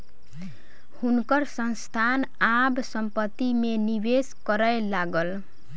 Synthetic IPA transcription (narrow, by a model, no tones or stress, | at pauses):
hunkʌɾsʌnst̪ʰan | absʌmpət̪ːimenibeskʌɾəjlaɡəl